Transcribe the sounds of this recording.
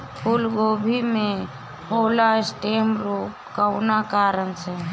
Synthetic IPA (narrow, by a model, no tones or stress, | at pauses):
pʰulɡoːbʱimẽ | oːlasʈeːmɾup | kəʊnakaːɾənse